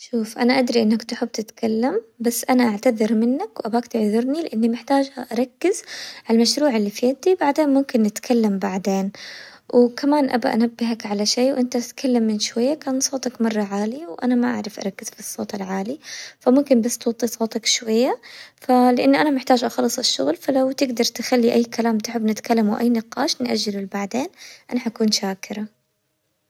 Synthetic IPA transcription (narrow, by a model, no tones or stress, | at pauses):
ʃuːfʔanaʔad̪ɾiʔɪnːakt̪ʊħɪb̚ːt̪ɪt̪kʰalːambasːʔanaʔaʕt̪aðɪɾmɪnːakwʔabaːkt̪ɪʕðʊɾnilɪʔanːimɪħt̪aːd͡ʒhaʔaɾˤɑkːɪzʕalmaʃɾuːʕɪlːifiat̪ibaʕd̪eːnmʊmkɪnʔat̪kʰalːambaʕd̪eːnwkamaːnʔa̰ba̰ʔa̰nabːɪɦakʕalaʃeːwʔɪnt̪at̪kʰalːamːɪnʃwajːakaːnsˤoːt̪ˤɑkmɑrˤːɑʕaːlɪjawʔanamaʔa̰ʕɾˤɪfʔɑ̰ɾˤɑkːɪz̥fisˤːoːt̪ɪlʕaːlifamʊmkɪmbast̪wɑt̪ˤːisˤoːt̪ˤɑkʃwajːafalɪʔanːʔanamɪħt̪aːd͡ʒʔɑxɑlːɨsˤɪʃːʊ̰ɣlfalawt̪ɪɡd̪ɑɾˤt̪ɪxalːiʔajːkalaːmt̪ʊ̥ħɪbːnɪt̪kalːamuwʔa̰jːnɪqɑːʃnʔaʒːɪlɪlbaʕd̪eːnʔanaħʔakuːnʃaːkɪɾa